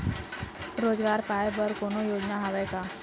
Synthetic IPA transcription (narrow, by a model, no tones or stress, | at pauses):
ɾoːzɡaːɾpaːebəɾkoːnojoːd͡ʒnaɦaʋɛka